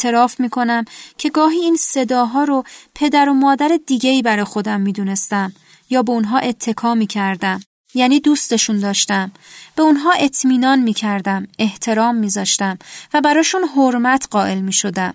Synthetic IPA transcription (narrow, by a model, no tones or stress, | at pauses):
t̪ʰeɾɒːfmiːkʰo̞næmcʰe̞ɡɒːɦiːiːnse̞d̪ɒːɦɒːɾo̞pʰe̞d̪æɾo̞mɒːd̪æɾed̪iːɡe̞iːbæɾɒːjexo̞d̪æmːiːd̪uːne̞st̪æm | jɒːbe̞onɦɒːʔe̞t̪ʰːe̞kʰɒːmiːcʰæɾd̪æm | jæːniːd̪uːst̪e̞ʃuːnd̪ɒːʃt̪æm | b̥e̞unɦɒːe̞t̪ʰmiːnɒːnmiːcʰæɾd̪æme̞ht̪ʰe̞ɾɒːmːiːzɒːʃt̪æmvæbæɾɒːʃunɦoɾmæt̪ʰɢ̥ɒːʔe̞lmiːʃo̞d̪æm